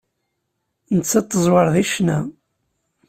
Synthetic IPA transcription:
nət͡sːɑt̪ˤːəzˤwəɾˤðiʃnæ

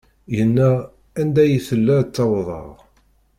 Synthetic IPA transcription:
jənːæ | ænd̪æjəθəlːæt͡sːɑwðˤɑ̰ʁ

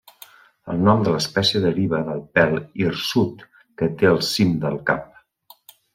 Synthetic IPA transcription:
ə̰lˠnɔmd̪ələspɛsiəðəɾiβəðəlˠpɛlˠirsut̪ | kət̪eəlˠsimd̪əlˠkap

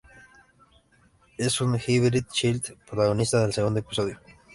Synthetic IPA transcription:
esunxiβɾit̪̚t͡ʃilt̪pɾot̪aɣonist̪aðelseund̪oepi̥soðjo

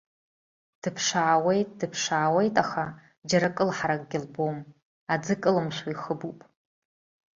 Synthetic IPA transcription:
d̥ɨpʰʂaːwe̞jtʼd̥ɨpʰʂaːwe̞jtʼaχa | d͡ʒaɾakʼɨlħaɾakʼɡʲɪlbom | ad͡zɨkʼɨlɨmʃʷaiχəbupʼ

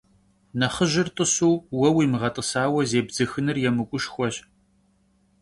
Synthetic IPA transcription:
nɐχəʒɪrtʼəsuːwɐwiːmɨʁɐtʼəsaːwɐzeːbz̥ɨxɨnɨrjɛmɨkʷʼʊʃxʷɔɕ

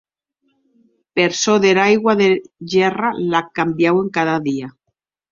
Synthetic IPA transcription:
peɾsoðeɾajɣwaðeʝeralakambjawe̞ŋkaðaðia

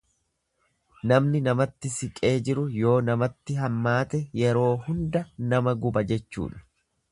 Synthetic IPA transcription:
nɐmnɪnɐmɐt̪ːɪsɪkʼe̞ːd͡ʒɪɾʊjo̞ːnɐmɐt̪ːɪɦɐmːaːt̪ɛjɛɾo̞ːhʊnd̪ɐnɐmɐɡʊbɐd͡ʒɛt͡ʃːṵːᶑɐ̥

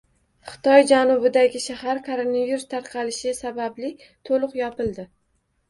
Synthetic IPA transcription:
χɨ̥t̪ʰɒjd͡ʒanʊbɪd̪aɡʲɪʃahaɾkʰoɾonaviɾst̪ʰaɾqʰɑlɪʃɪsabablɪ | t̪ʰolˠʊqjɒpɪlˠd̪ɪ

